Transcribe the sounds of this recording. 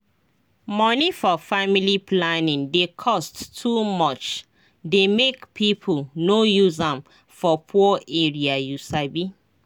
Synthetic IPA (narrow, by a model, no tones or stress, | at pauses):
mɔnifɔfamiliplanĩŋdekʰɔsttʰːumɔt͡ʃ | demekpʰipʰulnojuzãm | fɔpʰuɔeɹiajusabi